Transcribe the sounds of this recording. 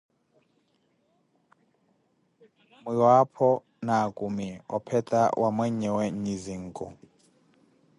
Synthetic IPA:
miɺwapʰɔ | naːkʼumiɔ̰pʰɛtʼa̰wʔamwɛɲɛwɛɲiziŋ̩kʼɔ̰

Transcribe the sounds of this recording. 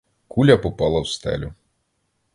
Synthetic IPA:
kulʲɐpʊpɑlˠɐwst̪ɛ̰lʲu

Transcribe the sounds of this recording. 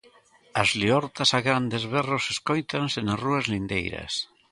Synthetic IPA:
azliɔɾt̪asaɣɾand̪ezβeroseskojt̪ansenasruazlind̪ḛjɾa̰s

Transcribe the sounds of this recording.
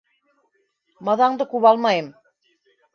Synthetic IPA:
mɑðɑɴd̪ɤkʉβɑlˠmɑjɤm

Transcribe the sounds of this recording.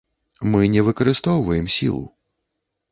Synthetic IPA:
mɨnʲɛvɨkɐɾɨst̪ɔwvɐjɛmsʲḭlˠṵ

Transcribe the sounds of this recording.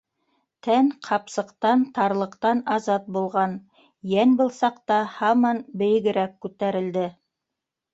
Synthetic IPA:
t̪ænqʰɑpsɤ̆qt̪ɑnt̪ɑɾlˠɤ̆qt̪ɑnɑzɑt̪̚bulˠʁɑn | jænbɤ̆lˠsɑqt̪ɑhɑmɑnbɘ̆jɘ̆ɡɘ̆ɾækːʉt̪æɾɘ̆ld̪ɘ

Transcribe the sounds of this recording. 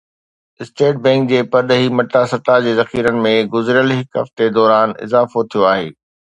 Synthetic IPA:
ɪsʈeːʈ̚bɛ̃ːŋk̚d͡ʑeːpɐɗ̪ɦimɐʈ̪asɐt̪ad͡ʑeːzɐxiːɾənɪ̆mẽɡʊzɾjəlɦɪkɦɐ̰ft̪ed̪ɔːɾaːnɪ̰zaːfot̪ʰijoaːɦḛː

